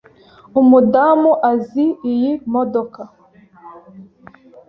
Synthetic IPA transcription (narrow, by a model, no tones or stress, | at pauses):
umudamuʔaziːjimɔdɔka